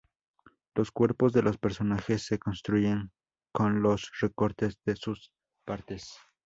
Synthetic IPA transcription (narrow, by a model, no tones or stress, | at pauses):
lo̞skwe̞ɾpo̞zðe̞lo̞spe̞ɾso̞naxesːe̞ko̞nst̪ɾuʝeŋ | ko̞nlo̞sre̞ko̞ɾt̪e̞zðesus | paɾt̪es